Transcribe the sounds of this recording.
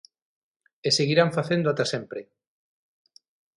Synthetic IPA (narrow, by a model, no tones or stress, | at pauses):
eseɣiɾaɱfaθend̪oat̪asempɾe